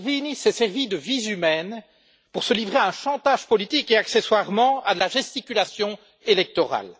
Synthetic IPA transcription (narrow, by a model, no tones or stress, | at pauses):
vinisɛsɛʁvid̪əvizymɛn | puʁsəlivʁeaɛ̃ʃɑ̃t̪aʒpɔlit̪ikeakseswaʁmɑ̃ad̪əlaʒɛst̪ikʲylasjɔ̃ | elɛk̚t̪ɔʁa̰l